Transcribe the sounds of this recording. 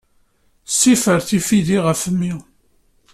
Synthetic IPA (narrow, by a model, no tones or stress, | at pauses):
sːifəɾθifiðiʁəfəmːi